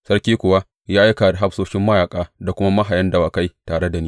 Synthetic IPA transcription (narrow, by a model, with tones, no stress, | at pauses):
sɐ˦ɽkʲiː˦kʷʊ˨wa˦ | jaː˦ʔa˦ka˨da˨ɦa˦ɸsoː˦ʃɪ˦mːɐ˦jaː˨kʼaː˦da˨kʷʊ˦ma˦ma˦ɦa˨jɐ˦nda˨waː˨ka˦jtaː˨ɽe˦da˨niː˦